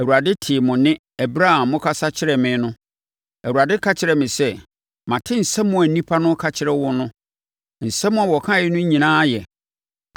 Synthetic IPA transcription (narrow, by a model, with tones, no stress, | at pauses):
æ˨wu˨a˨dɪ˦tʰɪ˨mʊ̃˨nɪ̃˦ | ɛ˨bɾa˦ã˨mːʊ̃˦kʰa˦sa˦t͡ɕʰɪ˦ɾɛ˨mɪ̃˨˦nʊ̃˦ | æ˨u˨a˨dɪ˦kʰa˦t͡ɕʰɪ˨ɾɛ˨mɪ̃˨sɛ˦ | mã˨tʰɪ̃˦n̩˨sɛ˦mːʊ̃˦æ˨nĩ˦pʰa˦nʊ̃˦kʰa˨t͡ɕʰɪ˨ɾɛ˦wʊ˦nʊ̃˦ | n̩˨sɛ˦mːʊ̃˦a˨wɔ˨kʰã˦jɪ˦nʊ̃˦ɲĩ˨nãː˦jɛ˨